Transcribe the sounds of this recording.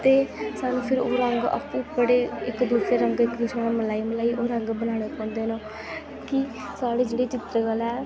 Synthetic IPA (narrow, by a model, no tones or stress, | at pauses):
t̪eːsaːnũːpʰɪɾoːɾəŋɡə̰pũːbəɽeːɪkd̪uːsɾeːɾəŋɡɪkd̪ɪsonãməlaːiːməlaːiːʔoːɾəŋɡbənaːɽ̃eːpɔ̃ːnd̪eːnõː | kɪ | saːɽeːd͡ʒeːɽeːt͡ʃɪt̪ɾəɡəlɛː